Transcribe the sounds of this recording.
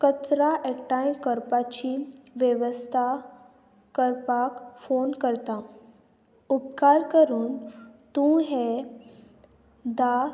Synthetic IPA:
kət͡sɾaʔɛkʈãj̃kəɾpat͡ɕiʋjeʋəst̪ʰa | kəɾpakfonkəɾt̪ã | up̚kaɾkəɾuːnt̪ũɦe | d̪a

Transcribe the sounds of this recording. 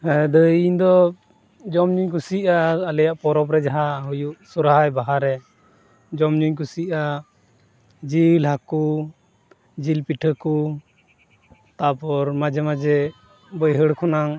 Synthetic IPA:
ɛd̪əiɲd̪ɔ | d͡ʒɔmɲuɲk̬usiʔaːlɛjaʔpɔɾɔp̬ɾɛd͡ʒaɦaɦujuʔsuɾaɦajbaɦaɾɛ | d͡ʒɔmɲuɲkusiʔa | d͡ʒilɦaku | d͡ʒilpiʈʰəku | t̪apɔɾmad͡ʒɛmad͡ʒɛ | bəjɦəɽkʰɔnaŋ

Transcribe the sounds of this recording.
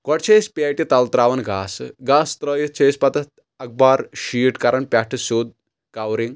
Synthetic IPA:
kɔʈt͡ʃʰejspʲaʈit̪ɐlt̪ɾaːʋɐnɡaːsɡaːst̪ɾəjit͡ʃʰeːspɐt̪ɐt̪ | ɐk̚baːɾɕiːʈkɐɾɐnpʲaʈʰɨsoːd̪̚ | kawɾiŋɡ

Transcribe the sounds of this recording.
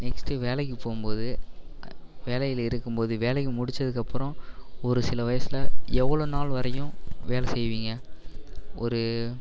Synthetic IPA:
nɛksʈɯʋeːlɐkːɯpoːɣɯmpoːðɯ | ʋeːlɐjɪlɪɾɯkːɯmpoːðɯʋeːlɐkːɯmʊɽɪt͡ʃːɐðɯkːɐpːɯɾɔ̃ɔɾɯsɪlɐʋɐjɐsɪlɐɛʋːɐɭoːnaːlʋɐɾɐjʊ̃ʋeːlɐsɛjʋiːŋɡɐ | ɔɾɯ

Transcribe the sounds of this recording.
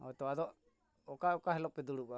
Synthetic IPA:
ɔ̰t̪ɔad̪ɔʔ | ɔkaɔkaɦɛlɔɛd̪uɽuba

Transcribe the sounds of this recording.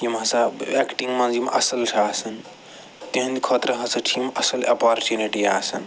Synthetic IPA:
jimɐ̃saekʈiŋɡmãnd͡ʒimʔɐsɐlʈʰaːsɐn | t̪iɦə̃nd̪ikʰot̪ɾɐɦɐ̃sɐʈʰimʔɐsɐlɐpaɾt͡ʃjuniʈiaːsɐn

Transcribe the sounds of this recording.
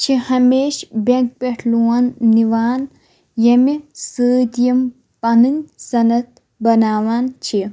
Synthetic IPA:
t͡ʃʰihɐmeːʃbɐ̃ŋk̚peʈʰluːaːnːiʋaːn | jɐmisəːd̪ijɐm | pɐnɨnsɐnɐt̪ | bɐnaːʋaːnt͡ʃʰi

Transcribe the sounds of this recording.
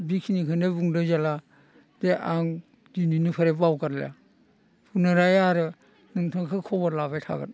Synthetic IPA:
bikʰinikʰɯnebuŋdɯzala | deʔaŋ | dininipʰaɾebawkaɾla̰ | pʰunɯɾajaɾɯ | nɯŋtʰɯŋkʰɯkʰɔbaɾlabajtʰa̰ɡɯ̰n

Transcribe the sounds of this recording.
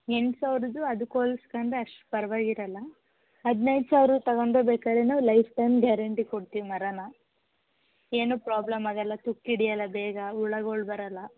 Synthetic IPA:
eɳsaːʋɾud̪uɐd̪ukoːlskɐɳd̪ɾeɐʂʈu̥pɐɾɐʋaːɡiɾɐlːɐ | ɦɐd̪nɐjd̪saːʋɐɾut̪ɐɡoɳɖɾebeːkaːd̪ɾenaːʋlɐjfʈɐjmɡaːɾɐɳʈikoɽt̪iʋimɐɾɐnɐ | e̞ːnuːpɾaːblɐmɐɡɐlːɐt̪ukːiɽijɐlːɐbɛːɡɐuɭɐɡoɭbɐɾɐlːɐ

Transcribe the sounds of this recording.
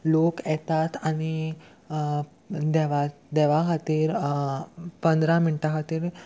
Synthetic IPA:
lokjɛt̪at̪aɽ̃i | d̪ɛʋa | d̪ɛʋaɦat̪iːɾ | pənd̪ɾamiɳʈaɦət̪iɾ

